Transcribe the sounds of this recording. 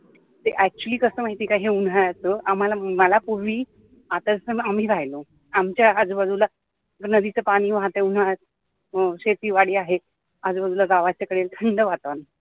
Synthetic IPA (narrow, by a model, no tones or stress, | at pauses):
t̪eʔæk̚t͡ɕuəliːkəsəːmaɦit̪iːkaɦiun̤ajat͡səam̤alaməlapuɾʋiː | at̪əsəam̤iːɾʱajlo | amt͡ɕjaːd͡zuːbəd̪ʱula | nəd̪it͡səpaɽ̃iːʋat̪eun̤a | ɕet̪iːʋaɽiːaɦe | ad͡zubəd̪ʱulaɡaʋat͡ɕjakəɽelt̪ʰəɳɖəʋat̪an